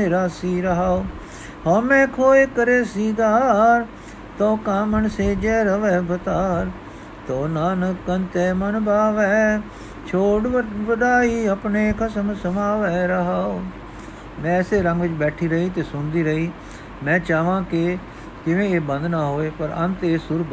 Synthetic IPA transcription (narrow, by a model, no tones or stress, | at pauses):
eːɾaːsiːɾəɦaːoː | ɦoːmɛ̃ːkʰoːeːkəɾeːsiːɡaːɾ | t̪õːkaːməɳseːd͡ʒɛːɾəʋɛːbət̪aːɾ | t̪oːnaːnəkənt̪eːmənbaːʋɛː | t͡ʃʰoːɖʋəɖaːiːəpneːkʰəsəmsəmaːʋɛːɾəɦaːoː | mɛ̃ːɛːseːɾə̃ŋɡʋɪt͡ʃbɛːʈʰiːɾəɦiːt̪eːsʊnd̪iːɾəɦiː | mɛ̃ːt͡ʃaːʋãːkɪ | kɪʋẽːeːbə̃nd̪naːɦoːeːpəɾə̰nt̪eːsʊɾ